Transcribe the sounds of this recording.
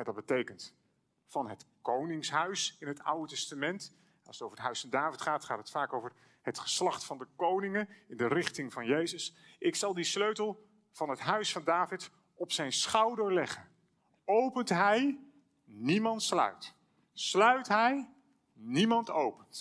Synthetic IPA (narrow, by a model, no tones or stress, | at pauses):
ɛdɑt̚bətejkənt | fɑnətkownɪŋsɦœɥsɪnɦəta̰wdətɛstamɛnt | ɑlˠsətowvəɹətɦœɥsfɑndaːvɪtχaːtχaːtətfaːkowvər | hətχə̥slɑχtfɑndəkownɪŋənɪndərɪχtɪŋvɑnjejzəsʔɪksɑlˠdisløɥtəlˠ | v̥ɑnɦətɦœɥsfɑndaːvɪt | ɔpsɛjnsχɑwdəɹlɛχən | owpəntɦɛj | nimɑntslœ̰ɥt | slœɥtɦɛj | nimɑntowpənt